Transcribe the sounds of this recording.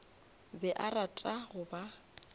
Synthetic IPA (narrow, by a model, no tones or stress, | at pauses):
bɛʔaratʼaɣʊba